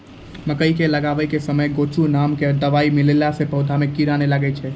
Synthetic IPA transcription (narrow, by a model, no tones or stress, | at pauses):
məkəikeləɡaʋekesəməjɡot͡ʃunamkeəd̪əʋaimɪlelasepəwd̪ʱamẽkiɾanelaɡet͡ʃʰe